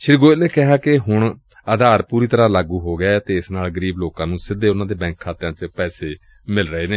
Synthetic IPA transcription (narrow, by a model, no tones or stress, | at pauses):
ʃɪɾɡoːneːkɪɦaːkɪɦʊɳ | əd̪ʱaːɾpuːɾiːt̪əɾãːlaːɡuːɦoːɡaːt̪eːɪsnaːlɡəɾiːbloːkãːnũːsɪd̪eːʊnãːd̪eːbɛ̃ːŋkʰːaːt̪ːjãːt͡ʃəpɛːseː | mɪlɾəɦeːneː